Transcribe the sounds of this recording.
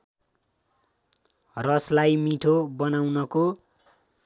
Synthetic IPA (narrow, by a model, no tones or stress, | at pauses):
rʌslajmiʈʰobʌnawnʌko